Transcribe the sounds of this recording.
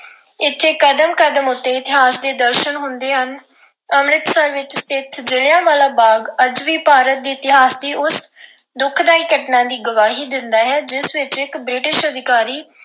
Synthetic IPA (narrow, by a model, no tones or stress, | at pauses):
ɪt̪ʰːeːkəd̪əmkəd̪əmʊt̪ːeːɪt̪ɪɦaːsd̪eːd̪əɾʃənɦʊnd̪eːɦən | əmɾɪt̪səɾʋɪt͡ʃst̪ɪt̪ʰd͡ʒɪljaːmaːlaːbaːɡəd͡ʒʋiːpaːɾət̪̚d̪iːɪt̪ɪɦaːsd̪iːʔʊs | d̪ʊkʰd̪aːiːkəʈnãːd̪iːɡəʋaːɦiːd̪ɪnd̪aːɦɛːd͡ʒɪsʋɪt͡ʃɪkbɾɪʈɪʃəd̪ɪkaːɾiː